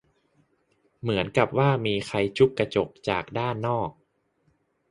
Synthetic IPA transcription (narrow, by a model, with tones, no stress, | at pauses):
mɯ˩˦ənka˨˩p̚waː˥˩miː˧xʰa˧jt͡ɕʰu˦˥kːɾa˧t͡ɕo˨˩k̚t͡ɕa̰ː˨˩k̚daː˥˩nːɔː˥˩k̚